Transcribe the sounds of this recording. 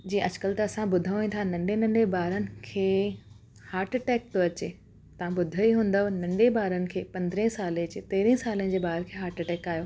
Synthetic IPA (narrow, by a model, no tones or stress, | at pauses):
d͡ʑĩːʔɐd͡ʑkəlt̪ɐɐsãbʊd̪ʱaĩnt̪ʰanɐ̃ɳɖenɐ̃ɳɖebaːɾənɪ̆kʰeː | haːɾʈʈɛːk̚t̪oɐt͡ɕe | t̪ɐʋãbʊd̪ʱəiɦũːn̆d̪aɦonɐ̃ɳɖebaːɾənɪ̆kʰeːpɐ̃nd̪ɾẽɦsaːleɐt͡ɕet̪eːɾĩsaːləɪ̃d͡ʑeːbaːəɾkʰeːɦaːɾʈʈɛːkaːjoː